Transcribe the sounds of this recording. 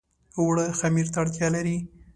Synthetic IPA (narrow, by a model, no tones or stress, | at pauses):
wɽəxamiɾt̪aɽt̪jɑlaɾi